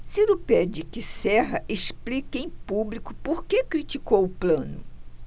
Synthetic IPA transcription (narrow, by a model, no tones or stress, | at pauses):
siɾupɛd͡ʒɪkɪsɛɦɐʔeʃplikẽj̃publikʊpoɾkekɾit͡ʃikowʊplɐ̃nʊ̰